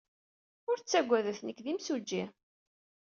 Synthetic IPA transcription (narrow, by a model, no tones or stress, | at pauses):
ʊɾt͡sːæɡʷːæðəθnəkːðimsud͡ʒːi